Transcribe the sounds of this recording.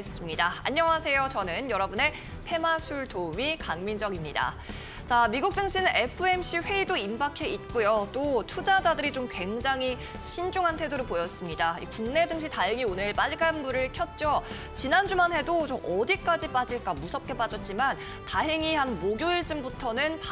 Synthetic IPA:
es͈ɯmɲidaa̰ɲːʌŋɦasʰe̞jot͡ɕʌnɯnjʌɾʌbune̞ | tʰe̞masʰuɭtomikaŋmind͡ʑʌɡimɲida̰ | t͡ɕamiɡuk̚t͡ɕ͈ɯŋɕʰinʔe̞pʰɯe̞mɕʰiɸwe̞idoimbakʰe̞it̚k͈ujot͈otʰud͡ʑad͡ʑadɯɾit͡ɕomkwe̞ŋd͡ʑaŋɦi | ɕʰind͡ʑuŋɦantʰe̞doɾopojʌs͈ɯmɲidaḭkuŋne̞d͡ʑɯŋɕʰitajɯŋionɯɭp͈aɭɡanbuɾɯɭkʰjʌt̚t͡ɕ͈o | t͡ɕinand͡ʑumanɦe̞dot͡ɕomʔʌdik͈ad͡ʑip͈ad͡ʑiɭk͈amusʰʌp̚k͈e̞p͈ad͡ʑʌt̚t͡ɕ͈iman | taɦeŋihanmoɡjoiɭt͡ɕ͈ɯmbutʰʌnɯnp

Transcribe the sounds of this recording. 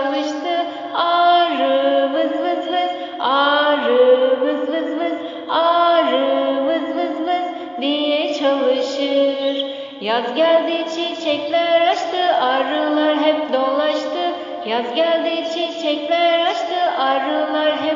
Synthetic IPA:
lˠɯʃt̪ʰɯ | aɾɯmɯzmɯzmɯz̥ | aɾɯmɯzmɯzmɯz | aɾɯmɯzmɯzmɯz | d̪ijɛt͡ʃʰalˠɯʃɯɾ | jazɟælʲd̪iːt͡ʃʰint͡ʃʰɛclʲæɾat͡ʃt̪ʰɯːʔaɾɯlˠaɾɦɛpd̪o̞lˠaʃt̪ʰɯ | jazɟælʲd̪iːt͡ʃʰint͡ʃʰɛclʲæɾat͡ʃt̪ʰɯːʔaɾɯlˠaɾɦɛ

